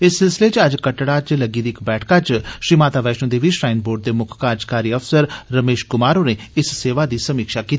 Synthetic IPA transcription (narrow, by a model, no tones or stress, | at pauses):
ɪsːɪlsɪleːt͡ʃəd͡ʒkəʈɽaːt͡ʃləɡiːd̪iɪkbɛːʈʰkaːt͡ʃʃɾiːmaːt̪aːʋɛːʃnõːd̪eːʋiʃɾaːɪnboːɾɖ̚d̪eːmʊkʰkaːɾd͡ʒkaːɾiːəfsəɾːəmeːʃkʊmaːɾoːneːɪsseːʋaːd̪iːsəmiːkʃaːkiːt̪ː